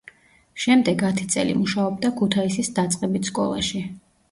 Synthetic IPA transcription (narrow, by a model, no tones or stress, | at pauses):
ʃɛmd̪ɛɡat̪ʰi̥t̪sʼɛ̰lḭmuʃaɔb̚d̪akʰut̪ʰaisisd̪at̪sʼqʼɛbit̪skʼɔ̰lˠa̰ʃi